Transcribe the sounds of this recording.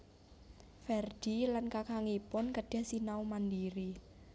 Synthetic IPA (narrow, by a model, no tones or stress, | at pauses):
fɛrd̥i̤lankakʰaŋipʊnkəɖ̥a̤hsinaumandiɾi